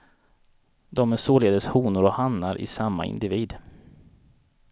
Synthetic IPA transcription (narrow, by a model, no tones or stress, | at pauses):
d̪ɔmæsoːleːd̪əshuːnʊɾɔhamnaɾʔɪ̰samːa̰ɪ̰nd̪ɪviːd̪